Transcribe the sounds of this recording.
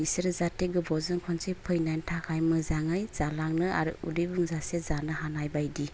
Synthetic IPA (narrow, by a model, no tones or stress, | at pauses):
iseɾzateɡɯbɔzɯnkʰɔnsepʰɯjnajntʰakʰajmɯzaŋajz̥alaŋnɯa̰ɾɯudijbuŋzasezanɯhanajbajdi